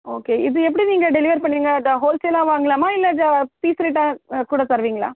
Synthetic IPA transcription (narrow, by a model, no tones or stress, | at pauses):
oːkeːɪðɯɛp̬ːɐɽiniːŋɡɐɖɛlɪʋɐɾpɐɳːɪɾiːŋɡɐɐd̪ɐɦoːlselãːʋaːŋɡɐlaːmaːɪlːɐd̪ɐpiːsɾeːʈːãːkuːɽɐsɐɾʋiːŋɡɐɭa̰ː